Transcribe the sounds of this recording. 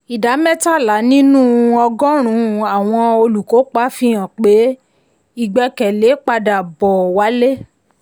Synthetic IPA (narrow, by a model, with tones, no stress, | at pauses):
i˨da˨˦mɛ̃˦ta˦˨la˨˦nĩ˦nũ˦ɔ˧ɡɔ̃˦ɾ̃ũ˨˦˨a˨w̃ɔ̃˧o˧lu˨ko˨˦k͡pa˦fĩ˦˧˦ã˨k͡pe˨˦ | i˦ɡ͡bɛ˧kɛ˨le˨˦k͡pa˧da˨bɔ˨wa˨˦le˦